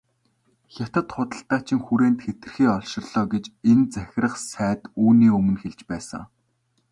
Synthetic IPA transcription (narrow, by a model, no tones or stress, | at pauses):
xʲat̪ə̆t̪χʊt̪ə̆ɬt̪aːt͡ɕɪ̆ŋxuɾeːnt̪xet̪ɘ̆rxiːɔɮʃɪ̆rɮ̥ɔːɡet͡ɕent͡sæxʲɪ̆rə̆χsæːt̪uːniːɵmɵ̆nxeɮt͡ɕpæːsə̰̆ŋ